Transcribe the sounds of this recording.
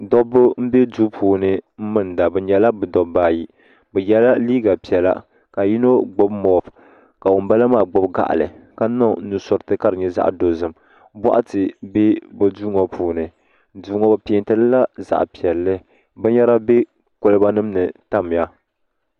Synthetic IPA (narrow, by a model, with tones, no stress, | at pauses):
dɔ˦bʊ˦m̩˦be˦du˦pʰuː˨nɨ˨m̩˦mɨ˦n˨da˨bɨ˨˦ɲɛ˨la˦bɨ˨dɔ˨baː˦˨ji˨ | bɛ˨jɛ˦la˦liː˦ɡa˨pi˨ɛ˨la̰˨ | ka˨ji˦no˦ɡ͡bo˦bmɔ˨f | ka˨wʊ˨m˦ba˦la˦maː˦˨ɡ͡bʊ˦bɡa̰˦˨ʔa̰˨lɨ̰˨ka˦nɔ˦nu˨sɔ˦ɾɨ˦tɨ˦ka˦ɾɨ˨ɲɛ˦za̰˦ʔdo˨zɨ˨m | ba̰˦ʔa˦tɨ˨be˦bɨ˨du˦ŋɔ˨pʰuː˨nɨ˨˦ | duː˦ŋɔ˦ba˦pi˦˨˦ntɨ˦lla˦za̰˨ʔpi˨ɛ˨lːɨ˦ | bɨ˦ɲɛ˦ɾa˦be˦ | ko˨lɨ˦ba˦nɨ˦m˦nɨ˨ta˦m˨ja˦